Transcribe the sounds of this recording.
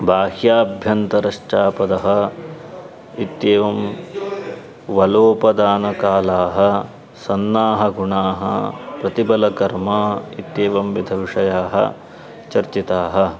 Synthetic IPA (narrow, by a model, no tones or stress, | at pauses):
bʱaːhjaːbʱjɐnt̪ɐɾɐʂʈaːpɐd̪ɐɦɐ̆ | it̪jeːʋɐm | ʋɐloːpɐd̪aːnɐkaːlaːɦɐ̆ | sɐnːaːɦɐɡuɳaːɦɐ̰pɾɐt̪ibɐlɐkɐɾmɐːit̪jeːʋɐmʋid̪ʱɐʋiʂɐjaːɦɐ̰ | t͡ʃɐɾt͡ʃit̪aːɦɐ̆